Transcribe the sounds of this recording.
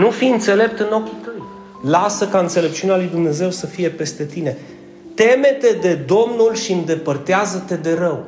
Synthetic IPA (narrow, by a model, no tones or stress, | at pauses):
nufiɨnt̪se̞le̞p̚t̪ɨno̞kʲit̪əj | lasəkaɨnt̪se̞le̞p̚t͡ʃiunealujd̪umne̞ze̞wsəfije̞pe̞st̪e̞t̪ine̞ | t̪e̞me̞t̪e̞d̪e̞d̪o̞mnulʃiɨnd̪e̞pərt̪eazət̪e̞d̪e̞ɾəw